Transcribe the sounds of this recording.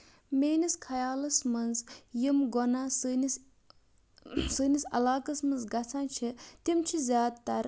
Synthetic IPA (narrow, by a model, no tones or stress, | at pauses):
meːniskʰɐjaːlɐsmɐnzjimɡɔnaːsɨnis | sɨːnisɐ̰laːkɐsmɐnzɡɐt͡sʰaːnt͡ʃʰit̪imt͡ʃʰizʲjaːd̪t̪ɐɾ